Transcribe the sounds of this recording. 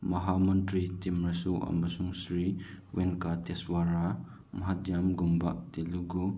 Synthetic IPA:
mɐɦamɐntɾitimɾɐsuʔɐ̰mɐsuŋsɾiwɛnkatɛswaɾa | mɐɦatjamɡumbaʔt̪iluɡu

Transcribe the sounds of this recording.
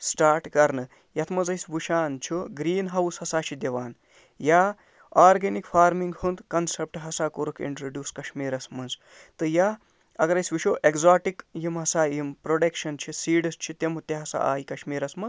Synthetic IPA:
sʈaːɾʈkɐɾnɨ | jɐt̪ʰmɐzɐjsbuʃaːnt͡ʃʰuɡɾiːnɦɐwshɐsaːt͡ʃʰid̪ɐʋaːn | jaː | aːɾɡenikfʰaːɾmiŋɡhund̪kɐnsep̚ʈɦɐsaːkoɾukʰḭɳʈɾoɖjuːskɐʃmiːɾɐsmɐnz | t̪ɨja | ɐɡɐɾɐjsʋiʃoːʔekzaːʈikjimɦɐsaːjimpɾoːɖɐkʃɐnt͡ʃʰisiːɖɐst͡ʃʰit̪emut̪eɦɐsa̰a̰ːjikɐʃmiːɾɐsmɐ

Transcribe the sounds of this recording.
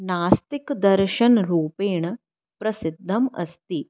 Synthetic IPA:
naːst̪ikd̪ɐɾʃɐnɾuːpeːɳ | pɾɐsid̪ʱːɐmɐ̰st̪i

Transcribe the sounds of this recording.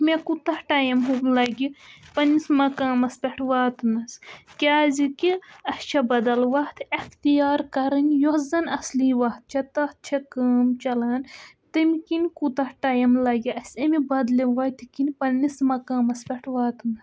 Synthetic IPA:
mekut̪ɐhʈaːjɐmɦulɐɡipɐnːismɐkaːmɐspʲɛʈʰʋaːt̪mɐskʲaːzikiɐst͡ʃʰɐbɐd̪ɐlʋɐt̪ʰɐxt̪ijaːɾkɐɾɨnʲjohzɐnɐsliʋɐɦt̪̚t͡ʃʰɐt̪ɐht̪̚t͡ʃʰɐkaːmt͡ʃɐlaːn | t̪ɨmkinkut̪ɐhʈaːjɐmlɐɡiɐsʲɐmibɐd̪liʋɐt̪ʰikinpɐnːismɐkaːmɐspʲɛʈʰʋaːt̪mɐs

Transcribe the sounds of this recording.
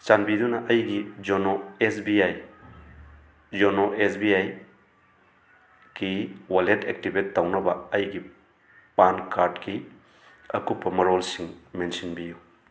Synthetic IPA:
t͡ʃanbid̪unɐʔɐjɡid͡ʒonoesbiaj | d͡ʒonoesbiaj | ɡiwaletʰek̚tibetːawnɐbɐɐjɡi | pankʰaɾdki | ɐkupːɐmɐɾolsiŋmensinbiju

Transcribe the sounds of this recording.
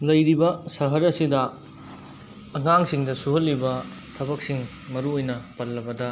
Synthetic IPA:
lɐjɾibɐsɐɦɐɾɐsidɐ | ɐŋaŋsiŋdɐsuɦɐlːibɐ | tʰɐbɐk̚siŋ | mɐɾuojnɐpɐlːɐbɐdɐ

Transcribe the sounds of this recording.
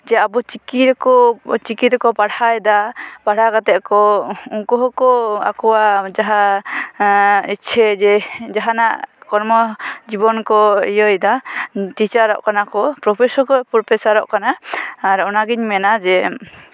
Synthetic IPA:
d͡ʒɛabɔt͡ʃikiɾɛkɔt͡ʃikit̪ɾɛkɔpaɽajd̪apaɽ̤aɡat̪ɛʔ̚kɔuŋkɔɦɔkɔa̰kɔwad͡ʒaɦa | it͡ʃʰɛd͡ʒɛd͡ʒaɦanaʔkɔɾmɔd͡ʒibɔnkɔijɔjd̪aʈit͡ʃaɾɔ̰ʔkanakɔpɾɔpʰɛsɔɾkɔpɔɾpʰɛsaɾɔ̰ʔkanaːɾɔnaɡiɲmɛnad͡ʒɛ

